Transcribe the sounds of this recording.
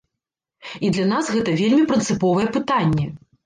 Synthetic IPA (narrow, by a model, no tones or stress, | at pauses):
id̪lʲanasɣɛt̪ɐvʲelʲmʲipɾɨnt̪sɨpɔvɐjɛpɨt̪anʲːɛ